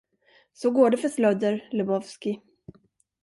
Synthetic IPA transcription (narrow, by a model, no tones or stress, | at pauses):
sɔɡoːɖɛfœʂlœd̪əɾlɛbɔvskɪ